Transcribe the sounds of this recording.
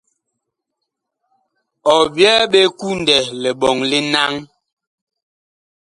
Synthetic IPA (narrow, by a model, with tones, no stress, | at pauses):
ɔ˨bjɛ˦ɓe˦ku˦n˨dɛ˨lɛ˨ɓɔ˨ŋli˦na˦ŋ